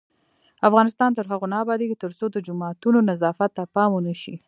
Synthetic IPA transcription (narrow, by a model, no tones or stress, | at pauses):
afɣɑnɪst̪ɑnt̪əɾɦaɣonɑːbɑd̪eɡit̪əɾt͡sod̪əd͡ʒʊmɑt̪unonazɑfat̪ːapɑmonəʃi